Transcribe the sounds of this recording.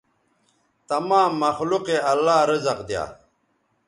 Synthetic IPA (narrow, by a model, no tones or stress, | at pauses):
t̪ɐmaːmːɐxluqeɐlːaːɾʌzɐqd̪ja̰ː